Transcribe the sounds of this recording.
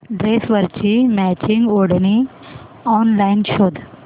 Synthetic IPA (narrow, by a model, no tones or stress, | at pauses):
ɖɾesʋəɾt͡ɕimæt͡ɕiŋɡoɽni | ɔnlainʃoːd̪ʱ